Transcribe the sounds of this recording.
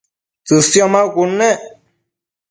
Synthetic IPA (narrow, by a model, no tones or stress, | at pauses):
t͡sɨsjɔmãkunɛ̃